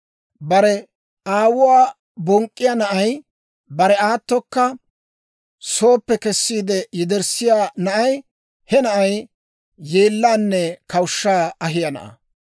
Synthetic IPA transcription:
bɐɾɛ | aːwʊwaː | bɔŋkʼːɪjɐnɐʔɐj | bɐɾɛaːt̪ːɔkːɐ | so̞ːpːɛkɛsːiːd̪ɛjɪd̪ɛɾsɪjaːnɐʔɐj | hɛnɐʔɐj | jeːlːaːnːɛkɐwʊʃːaːɐɦɪjɐnɐ̰ʔɐ̰

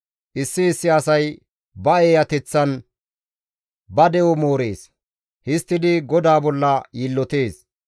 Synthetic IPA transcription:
ʔɪsːɪːsːɪɐsɐj | bɐeːjɐt̪ɛt͡sːɐn | bɐd̪ɛɔmo̞ːɾe̞ːs | hɪst̪ːɪd̪ɪɡɔd̪aːbɔlːɐjiːlːɔt̪e̞ːs

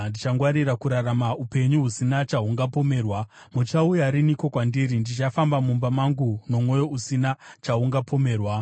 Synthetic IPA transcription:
ndit͡ʃaŋɡwaɾiɾakuɾaɾamaupe̞ɲuɦusinat͡ʃauŋɡapo̞me̞ːrwa | mut͡ʃaujaɾiniko̞kwandiɾindit͡ʃafambamumbamaŋɡuno̞mwo̞jo̞usinat͡ʃauŋɡapo̞me̞ːrwa

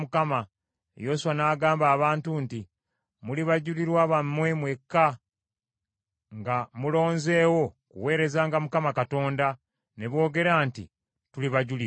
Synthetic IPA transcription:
mukama | jo̞suwanaːɡaːmbaːβaːntunti | muliβaɟuliɾwaβamːwemwe̞kːa | ŋɡamulo̞ːnze̞ːwo̞kṵwe̞ːɾe̞zaːŋɡamukamakato̞ːnda | ne̞βwo̞ːɡe̞ɾaːntḭ | tuliβaɟuli

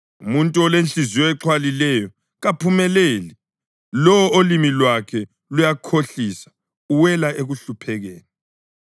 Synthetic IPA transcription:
umuntʼuɔlent͡ɬʼizijɔɛǁʰwalilɛjɔ | ɣapʰumɛleːli | lɔolimilwakʰɛ | lujakʰoɬisḁ | uwɛlaʔeɣuɬupʰɛɣɛːnɛ

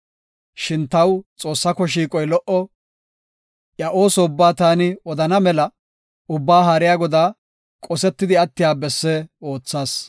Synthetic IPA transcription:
ʃɪnt̪ɐwt͡sʼo̞ːsːɐkɔʃ̬iːkʼɔjlɔʔɔ | ʔjɐʔo̞ːsɔʊbːaːt̪aːnɪɔd̪ɐnɐmɛlɐ | ʊbːaːɦaːɾɪjaːɡɔd̪aː | kʼɔsɛt̪ːɪd̪ɪɐt̪ːɪjaːbɛsːɛo̞ːt͡sːaːs

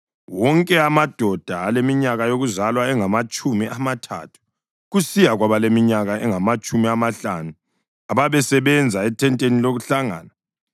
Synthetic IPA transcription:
wɔŋkʼɛamad̥ʱɔd̥ʱaːlemiɲaɣajoɣuzalwaɛŋamat͡ʃʼumiʔamatʰa̰tʰu̥ | ɣusijaɣwaβalemiɲaɣaɛŋamat͡ʃʼumiamaɬanu | aβaβɛsɛβɛnd͡zʱaɛtʰɛntʼeniloɣuɬaŋa̰ːna

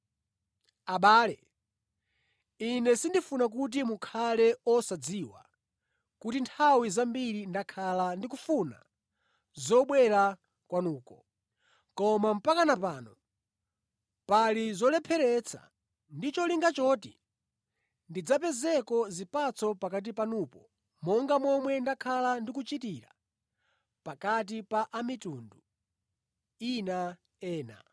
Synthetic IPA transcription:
aɓaːlɛ | inɛsindifunak̬ut̬imukʰalɛɔsad͡ziːwa̰ | kutintʰawizambiɾindakʰalandikufuna̰ | zɔɓwɛɾa | kwanuːkɔ | kɔmam̩pakanapaːnɔ | palizɔlɛpʰɛɾɛt͡sʰa̰ | ndit͡ʃɔliŋɡat͡ʃɔtḭ | ndid͡zapɛzɛkɔzipat͡sʰɔpakat̬ipanuːpɔ | mɔŋɡamɔmwɛndakʰalandikut͡ʃitiɾa̰ | pakat̬ipaʔamituːndu | ina | ɛːna̰

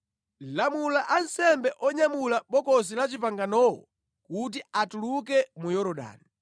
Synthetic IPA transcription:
lamulaʔansɛmbɛʔɔɲamulaɓɔkɔs̬ilat͡ʃipaŋɡanɔwɔ̰ | kut̬iatuluk̬ɛmujɔɾɔɗa̰ːni

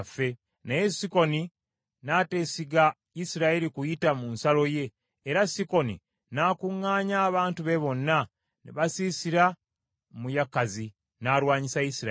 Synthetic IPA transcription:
fːe̞ | nejesiko̞ni | nate̞ːsiɡa | isiɾaeɾikujitamunsalo̞je̞ː | ɾasiko̞nḭ | naːkuŋːaːɲaːβaːntuβeβo̞nːa | nḭβasiːsiɾa | mujakːazi | naːɾwaːɲisaisiɾ

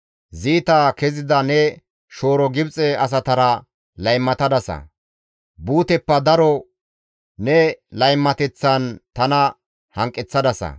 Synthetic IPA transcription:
ziːt̪aːkɛzɪd̪ɐnɛ | ʃo̞ːɾɔɡɪbt͡sʼɛɐs̬ɐt̪ɐɾɐ | lɐjmːɐt̪ɐd̪ɐsɐ̰ | buːt̪ɛpːɐd̪ɐɾɔ | nɛlɐjmːɐt̪ɛt͡sːɐnt̪ɐnɐ | hɐŋkʼːɪt͡sːɐd̪ɐsɐ̰

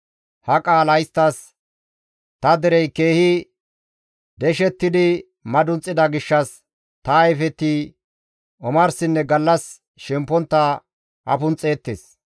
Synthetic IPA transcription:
hɐkʼaːlɐjst̪ːɐs | t̪ɐd̪ɛɾɛjke̞ːhɪ | d̪ɛʃɛt̪ːɪd̪ɪ | mɐd̪ʊnt͡sʼːɪd̪ɐɡɪʃːɐs | t̪ɐːjfɛt̪ːi | ɔmɐɾsɪnːɛɡɐlːɐs | ʃɛmpːɔnt̪ːɐ | ʔɐ̰pʊnt͡sʼe̞ːt̪ːḛːs

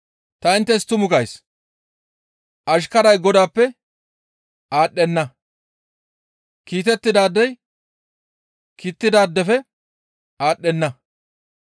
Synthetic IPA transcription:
t̪ɐɪnt̪ːɛs̬t̪ʊmʊkɐjs | ʔɐʃ̬kɐɾɐjɡɔd̪aːpːɛ | aːɗːɛnːɐ | kiːt̪ɛt̪ːɪd̪aːd̪ːɛj | kiːt̪ːɪd̪aːd̪ːɛfɛ | aːɗːɛnːɐ

